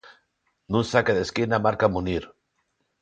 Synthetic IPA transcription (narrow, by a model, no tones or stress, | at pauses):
nũnsakeðeskinamaɾkamuniɾ